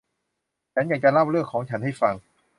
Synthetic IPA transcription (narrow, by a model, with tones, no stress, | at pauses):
t͡ɕʰa˨˦˥nka˨˩kaː˧nla˥˩wɾɯ˥˩əkʰɔː˩˦ŋt͡ɕʰa˦˥nha˥˩jfa˧ŋ